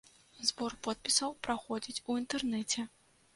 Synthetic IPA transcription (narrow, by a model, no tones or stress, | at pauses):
zbɔrpɔt̪̚pʲisɐwpɾaxɔd͡zʲit͡sʲuint̪ɛrnɛt͡sʲɛ